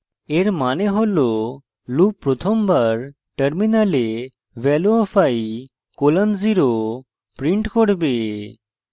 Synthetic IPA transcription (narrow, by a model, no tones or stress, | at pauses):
eɾmaneɦolo | lupːɾot̪ʰombaɾ | ʈəɾminale | bɛloɔfʰaj | kolanziɾo | pɾiɳʈkoɽbe